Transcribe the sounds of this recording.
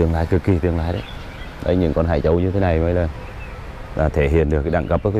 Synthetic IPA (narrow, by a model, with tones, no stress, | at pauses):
ɨ˧əŋlaː˧˨jkɨ˨˩k̚ːi˨˩t̪ɨ˧əŋlaː˧˨jɗə˧˦ | ɗə˧˦jɲɨ̰˧˥ŋkɔ˧nɦa̰ː˧˩jt͡ɕə˧wɲɨ˧t̪ʰe˨˦na˨˩jmə˧˦jlaː˨˩ | laː˨˩t̪ʰe˧˩ɦḭ˧˨ənɗɨ˨˩ək̚a˧˦ɗa̰˧˩ŋkə˦p̚ə˧˦˥k